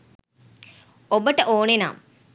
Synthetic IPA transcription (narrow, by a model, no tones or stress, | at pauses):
obəʈəʔoːnena̰m